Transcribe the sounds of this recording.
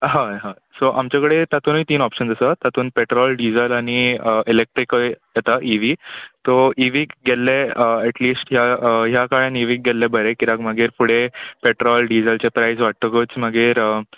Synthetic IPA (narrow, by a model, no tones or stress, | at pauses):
ɦãɦã | soʔamt͡ɕakəɽet̪at̪uːnit̪iːnɔpɕənd͡zəsat̪at̪uːnpeʈɾɔlɖid͡zəlaɽ̃iəʔilek̚ʈɾikjɛt̪aʔiʋit̪ɔiʋikɡelːeəɛʈliːsʈɦjaɦjakaɭãniʋiːk̚ɡelːebəɾekiɾakmaɡeːɾpuɽepeʈɾɔlɖid͡zəlt͡ɕepɾajsʋaʈ̚t̪əkət͡smaɡeːɾə